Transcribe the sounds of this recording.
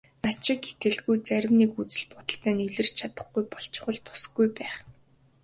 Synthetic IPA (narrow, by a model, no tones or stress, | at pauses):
nat͡ɕɪ̆kːet̪ɘ̆ɮɡujt͡sæɾʲɪ̆mnikut͡sɘ̆ɮpʊt̪ə̆ɬt̪æːniɮɘ̆r̥t͡ɕt͡ɕʰat̪ə̆χɡujpɔɬt͡ɕ̆χə̆ɮt̪ʰʊ̥s̆ɡujpæːχ